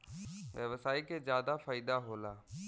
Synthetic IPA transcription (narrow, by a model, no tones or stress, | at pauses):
ʋjəʋsaːikezjaːd̪afaːɪd̪aɦoːlaː